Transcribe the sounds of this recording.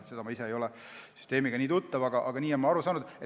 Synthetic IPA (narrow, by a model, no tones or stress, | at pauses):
se̞d̪ɑmɑise̞ejo̞lɛ | sy̥st̪e̞ːmiɡ̥ɑniːt̪ut̪ːɑvɑɡ̥ɑʔɑɡ̥ɑniːe̞nmɑɑɾusɑːnud̪e